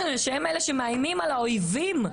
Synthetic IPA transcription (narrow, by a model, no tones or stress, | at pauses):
nʃemeleʃemeajmimalaojvim